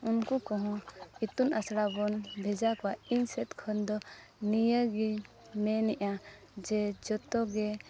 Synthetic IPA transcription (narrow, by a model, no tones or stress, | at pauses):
unkɔkɔɦɔ̃it̪unasɽabɔnbʱɛd͡ʒakɔwainsɛt̪kʰənd̪ɔ | nijəɡi | mɛnɛʔa | d͡ʒɛd͡ʒɔt̪ɔɡɛ